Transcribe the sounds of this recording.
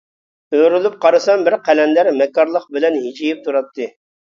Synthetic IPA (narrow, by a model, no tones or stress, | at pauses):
øɾylˠup̚qʰɑɾɨsɑmbɪɾqʰɛlɛnlæɾmɛkːɑɾlˠəq̚bɪlɛnɦit͡ʃʰijip̚t̪ʰuɾɑt̪ʰːɨ